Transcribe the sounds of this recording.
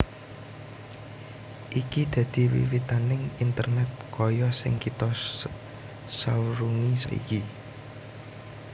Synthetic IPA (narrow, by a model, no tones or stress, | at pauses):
ʔikid̪̥ä̤d̪̥i̤wḭwit̪anɪŋint̪ərnɛt̪̚kɔjɔsɪ̰ŋkit̪ɔ | sawɾuŋisɔ̰ḭki